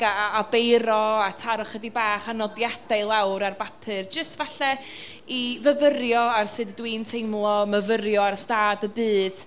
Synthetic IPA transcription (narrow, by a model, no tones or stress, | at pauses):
aːbejɾɔatʰaɾʊχədibaːχanɔdjadaɨlˠawɾarbapʰɨrd͡ʒəstvaɬɛ | ivəvəɾjɔarsɨddwiːntʰejmlˠɔməvəɾjɔarstaːdəbɨːd̥